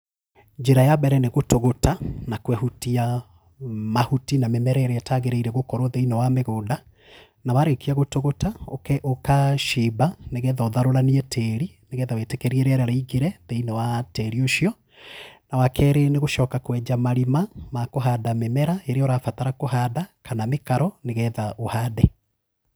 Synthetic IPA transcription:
ɲd͡ʒeɾajabɛɾɛneɣotoɣotanakwɛhutia | mahutinamemɛɾɛeɾeɛtaɣeɾɛiɾeɣokɔɾɔðeinɔwameɣoːnda | nawaɾekiaɣotoɣotaokɛʔokaʃibaneɣɛðɔðaɾoɾaniɛtʰɛɾi | neɣɛðawetekɛɾiɛɾeɛɾaɾaiɡeɾɛðeinɔwatɛɾioʃiɔ | nawakʰɛːɾeneɣoʃɔːkakwɛd͡ʒamaɾimamakoɦaːdamemɛɾaeɾeɔɾafataɾakoɦadakanamekaɾɔneɣɛːðaʔohaːdɛ

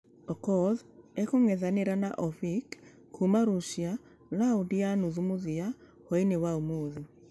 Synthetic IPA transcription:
ɔkɔðekoŋɛðaneɾanaʔɔfik | kumaɾoʃia | laodianuðumoðia | hɔinewaomoːði

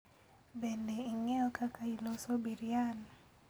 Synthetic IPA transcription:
bendeiŋɛɔkʰakailosobiɾijanɔ

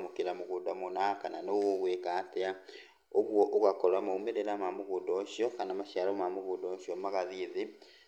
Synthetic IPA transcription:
mukiɾamuɣudamunakananoɣoɣwekaːtea | oɣwoʔoɣakolamoumeɾeɾamamuɣudoʃijokanamaʃalomamuɣudoʃjomaɣaðiði

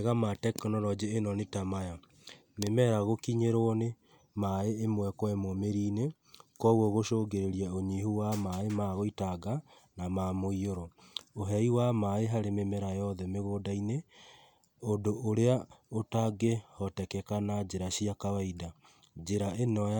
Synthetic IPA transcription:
ɣamatɛkɔnɔɾɔd͡ʑeːnɔnetamaja | memɛɾaɣokiɲeɾone | maeːmwɛkwɛmɔmeɾiːne | kɔɣɔɣoʃoɡeɾeɾiɛoɲihuwamaemaɣoitaɡa | namamoioɾɔoɦɛiwamaeɦaɾememɛɾajɔðɛmeɣoːdaine | ondoʔoɾeaotaɡehɔtɛkɛkanad͡ʒeɾaɕiakawaida | d͡ʒeɾaenɔ

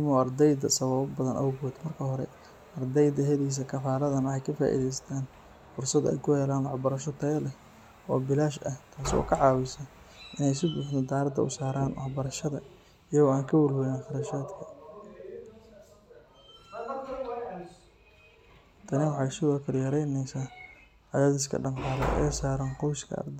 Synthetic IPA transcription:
mɔːɐrd̪ɛjd̪ɐsɐβɐβbɐðɐnʔɐ̰wʊɣɔːd̪mɐrkʰɐɦɔɾɛ̰ | ɐrd̪ɛjd̪ɐɦɛliːs̬ɐkʰɐfaːlɐðɐnɐħɑjkʰɐfa̰ːʔḭðɛjst̪ʰaːn | fʊrsɐd̪ɛ̰jkʰʊhɛːlaːnwɑħbɐɾɐʃɔt̪ʰɐlɛ | ʔɔ̰ːbɪlaːʃɐht̪ʰaːsɔ̰ːkʰɐʕɑːwɪsɐ | ʔɪnɛjsɪbʊːħnɔd̪aːɾɐd̪ʰɐ̰ʔʊ̰saːɾaːnwɑħbɐɾɐʃɐðɐ | ɪjɐɣɔaːŋkʰɐwʊlwɛjaːnχɑɾɐʃaːd̪kʰɐ | t̪ʰɐnɪwħɑsɪɣɔːkʰɐɾjɐɾɛjnɛjsa | ʕɑjaːðɪs̬kʰɐ̰ɖɐnqɑːlɛ̰ʔɛ̰ːsaːɾaːnqɔwskʰɐ̰ɐ̰rd̪ɛ

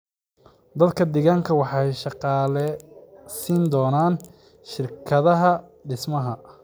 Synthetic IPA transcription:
d̪ɐd̪kʰɐd̪ɛɣaːŋkʰɐwɑħɑjʃɑqɑːlɛsiːnd̪ɔːnaːn | ʃɪrkʰɐðɐɦɐɖɪsmɐɦɐ

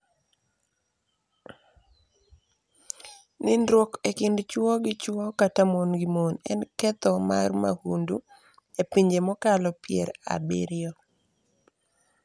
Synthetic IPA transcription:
nɪnɾwɔkekɪndt͡ʃwɔɡɪt͡ʃwɔkatamonɡɪmonɛ̰nkɛt̪ɔmarma̰hundu | epiɲd͡ʒemɔkalɔpjɛ̰ɾa̰bḭɾɪɔ

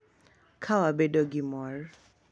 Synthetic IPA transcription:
kʰawabedoɡimɔɹ

